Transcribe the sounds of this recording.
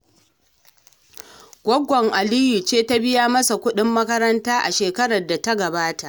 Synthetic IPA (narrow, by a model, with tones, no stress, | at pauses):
ɡʷɔ˦ɡʷːɔ˨ŋʔa˨liː˦ji˨t͡ʃeː˦ta˦bɪ˦jaː˦mɐ˦sa˨kʷʊ˦ɗɪ˦mːɐ˦kɐ˦ɾɐ˦ntaː˦ʔa˨ʃeː˨kɐ˦ɽɐ˨rda˨ta˦ɡɐ˨baː˦ta˨ʔ